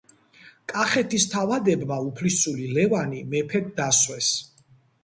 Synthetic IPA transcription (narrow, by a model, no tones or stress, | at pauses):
kʼaχɛt̪ʰist̪ʰavad̪ɛbmaupʰlisulilɛvanimɛpʰɛd̪̚d̪aswɛs